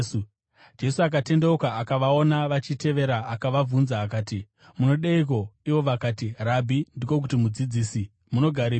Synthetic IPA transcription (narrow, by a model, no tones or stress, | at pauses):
d͡ʒe̞suak̬ate̞ndaukaːkaʋao̞naʋat͡ʃite̞ʋe̞ɾaːkaʋavunzaːkaːti | muno̞ɗeik̬o̞iʋo̞ʋakaːtirabʱindiko̞k̬utimud͡zid͡ziːsi | muno̞ɡʱaɾe